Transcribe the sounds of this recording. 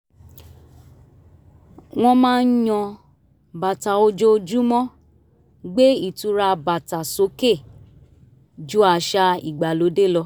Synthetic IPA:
w̃ɔ̃˧mãː˦˧n̩˦jɔ̃˧ | ba˨ta˨o˧d͡ʒo˦˧d͡ʒu˦mɔ̃˦ | ɡ͡be˦i˦˨tu˨˦ɾa˧ba˨ta˨so˨˦ke˦˨ | d͡ʒu˦a˧˨ʃa˧i˨ɡ͡ba˨lo˨˦de˦˨lɔ˧

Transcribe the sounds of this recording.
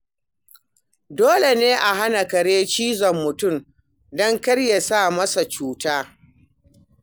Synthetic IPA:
doː˦le˨neː˦ʔa˨ɦa˦na˨kɐ˨ɽeː˦t͡ʃiː˦zɔ˨mːʊ˨tʊ˦˨m | dɔ˦ŋkɐ˦ɽja˨saː˦˨mɐ˦sa˨t͡ʃuː˦taː˦

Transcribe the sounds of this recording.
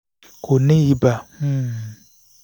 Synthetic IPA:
kʰo˨nɪ̃˦i˦ba˨h̩˦˨

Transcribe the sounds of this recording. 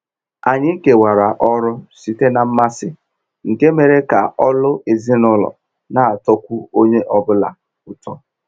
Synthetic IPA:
a˨ɲɪ˦ke˨wa˨ɾa˨ʔɔ˦ɾʊ˦si˨te˦na˨m̩˦ma˦sɪ˦ | ŋ̩˨ke˦me˨ɾe˦ka˨ɔ˦lʊ˦ʔe˨zi˦nʊ˦lɔ̰˨ | na˨a˨tɔ˦kʷu˦o˦ɲe˦ʔɔ˦bʊ˦la˨ | ʊ˨tɔ˦

